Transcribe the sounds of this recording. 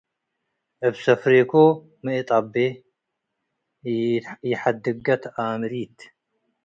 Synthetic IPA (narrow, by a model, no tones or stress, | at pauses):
ʔɨβsɐfɾekʰo | mɨit̪ʼabe | jɪħad̪ɨɡɐt̪ʰamɾit̪